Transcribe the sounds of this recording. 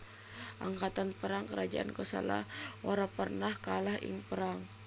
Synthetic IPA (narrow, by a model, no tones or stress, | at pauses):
ʔaŋkat̪anpəɾaŋkəɾad͡ʒa̰ʔa̰nkəsa̰la̰hʔoɾapərnahkalahɪ̰ŋpəɾaŋ